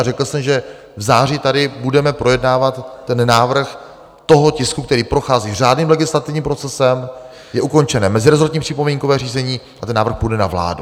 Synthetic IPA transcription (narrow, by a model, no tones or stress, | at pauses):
rɛkl̩sɛmʒɛ | vzaːr̝iːt̪adɪbudɛmɛpɾo̞jɛdnaːvat̪ːɛnnaːvr̩x | t̪o̞ɦocɪskuk̚t̪ɛɾiːpɾo̞xaːziːr̝aːdniːmlɛɡɪslat̪ɪvɲiːmpɾo̞t͡sɛsɛm | jɛʔuko̞nt͡ʃɛnɛːmɛzɪɾɛzoɾt̪ɲiːpr̥ɪpomiŋkovɛːr̝iːzɛɲiː | ʔat̪ɛnːaːvɾr̩xpudɛna̰vla̰ːdu